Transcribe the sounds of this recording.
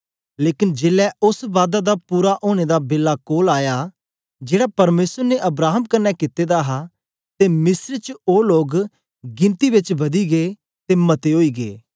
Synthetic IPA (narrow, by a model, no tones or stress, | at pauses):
leːkɪnd͡ʒeːlɛʊsʋaːd̪ad̪apuːɾaʔoːɽ̃ed̪abeːlːakoːlaːja | d͡ʒeːɽapɐɾmeːsəɾneʔɐbɾaːɦəmkɐnːɛkɪt̪ːed̪aːɦa | t̪eːmɪsəɾt͡ʃoːloːɡ | ɡɪ̃nt̪ibɪt͡ʃʋɐd̪iɡeː | t̪eːmɐt̪eɦoːiːɡeː